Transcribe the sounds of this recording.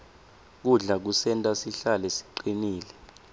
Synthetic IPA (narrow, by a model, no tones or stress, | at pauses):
k̬uɮak̬usɛntʼasiɬalɛsi̥ǃiniːlɛ